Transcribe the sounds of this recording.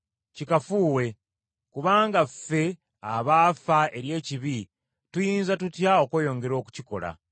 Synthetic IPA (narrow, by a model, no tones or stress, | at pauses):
cikafuːwe̞ | kuβaːŋɡafe̞ | aβafae̞ɾje̞ːciβi | tujiːnzatutjao̞kweːjo̞ːŋɡe̞ɾo̞ːku̥ciko̞̰la̰